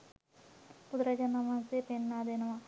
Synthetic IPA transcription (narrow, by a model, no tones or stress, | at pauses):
pud̪ɾɐd͡ʒɐnɐmãnsepenːaːd̪enɐma